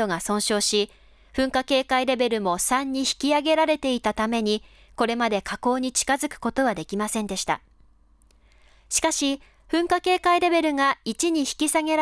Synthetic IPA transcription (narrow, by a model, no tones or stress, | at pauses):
o̞ŋasõ̞ɰ̃ɕo̞ːɕi | ɸɯ̟̃ŋkake̞ːkaiɾe̞be̞ɾɯ̟mo̞sãɲ̟ːiçi̥kʲiaɡe̞ɾaɾe̞t̪e̞it̪at̪ame̞ɲ̟i | ko̞ɾe̞mad̪e̞kʰako̞ːɲ̟it͡ɕi̥kazɨkɯ̥ko̞t̪o̞βad̪e̞kʲimasẽ̞nd̪e̞ɕi̥t̪a̰ | ɕi̥kaɕi | ɸɯ̟̃ŋkake̞ːkaiɾe̞be̞ɾɯ̟ŋait͡ɕiɲ̟içi̥kʲisaɡe̞ɾa